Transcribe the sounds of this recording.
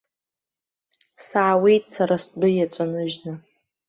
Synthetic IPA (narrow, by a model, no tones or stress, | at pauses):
saʕawejtʼsaɾasbɨjat͡sʷʼanɨʒnɨ